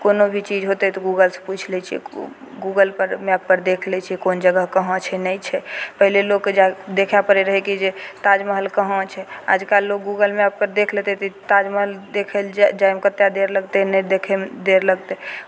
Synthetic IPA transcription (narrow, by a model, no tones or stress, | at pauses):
konobʱit͡ʃid͡ʒɦot̪ɛt̪ɔɡuɡəlsə̥̃put͡ʃʰlɛt͡ʃʰiɛ̰ | ɡuɡəlpəɾmeap̚kəɾd̪ekʰlɛt͡ʃʰiɛkond͡ʒəɡəɦkəɦɔ̃t͡ʃʰɛnəjt͡ʃʰɛpəɦilelokːd͡ʒad̪ekʰjapəɾeɾəɦɛkid͡ʒet̪ad͡ʒməɦəlkəɦɔ̃t͡ʃʰɛa̰d͡ʒkalːok̚ɡuɡəlmeap̚kəɾd̪ekʰlet̪ɛt̪ɔit̪ad͡ʒməɦəld̪ekʰeld͡ʒajmkət̪jad̪eɾləɡt̪ɛnɛd̪ekʰɛmd̪eɾləɡt̪ɛ